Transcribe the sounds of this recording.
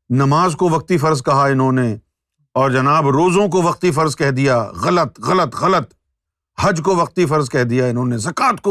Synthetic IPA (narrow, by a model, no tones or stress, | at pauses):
nɐmaːzkoʋɐq̚t̪ifɐɾzkɐɦaɪnɦõne | ɔːɾd͡ʒɐnaːbɾoːzõk̬oʋɐqt̪ifɐɾzkɛɦd̪ijaɣɐlət̪ɣɐlət̪ɣɐlət̪ | hɐd͡ʒkoʋɐq̚t̪ifɐɾzkɛɦd̪ijaɪnɦõnezɐkaːt̪ko